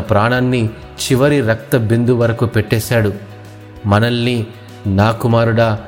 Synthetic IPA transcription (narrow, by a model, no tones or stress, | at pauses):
ɐpɾaːɳaːnːi | t͡ʃiʋɐɾiɾɐk̚t̪ɐbind̪uʋɐɾɐkupɛʈːɛːʃaːɽu | mɐnɐlːi | naːkumaːɾuɽɐ